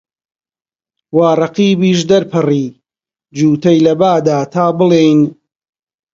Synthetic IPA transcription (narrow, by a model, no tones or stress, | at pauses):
waːrˤɐqiːbiːʃ̬d̪ɐɾpʰɨriː | d͡ʒuːt̪ɐjlɐbaːd̪aːt̪ʰaːbɨlejn